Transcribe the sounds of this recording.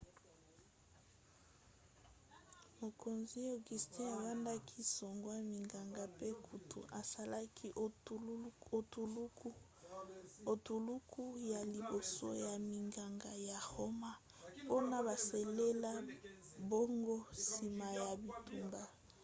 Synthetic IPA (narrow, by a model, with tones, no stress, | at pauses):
mo˨kʰo˨nzi˦o˨ɡi˨sti˦a˨ba˦nda˦kʰi˦so˨ŋɡwa˦mi˨ŋɡa˨ŋɡa˨pe˦kʰu˨tʰṵ˨ʔa˨sa˦la˦kʰi˦ʔ | t | o˨tu˨lu˦kʰu˦ja˨li˨bo˨so̰˦ja˨mi˨ŋɡa˨ŋɡa˨ja˨ho˦ma˦ | po˦na˨ba˨se˨le˦la˦bo˦ŋɡo˦si˨ma˨ja˨bi˨tu˨mba˨